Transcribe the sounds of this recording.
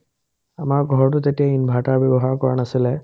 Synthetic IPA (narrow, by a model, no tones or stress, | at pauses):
amaɹɡʱɔɹɔʈut̪etiainbʱaʈabɛbɔɦaɹkɔɹanasilɛ